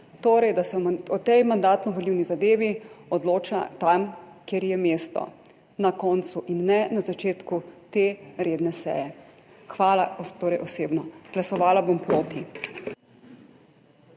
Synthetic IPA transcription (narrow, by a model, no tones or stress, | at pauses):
t̪oːɾɛjd̪asɛɔt̪ɛjmand̪aːt̪nɔʋɔliːwnizad̪eːʋiɔd̪loːt͡ʃat̪amkeɾjɛmeːst̪ɔ̰ | nakɔnt̪suʔinːɛnazat͡ʃeːt̪kut̪eɾeːd̪nɛsɛ̰ːjɛ | xʋaːlat̪oːɾɛjʔɔseːbnɔɡlasɔʋaːlabompɾoːt̪i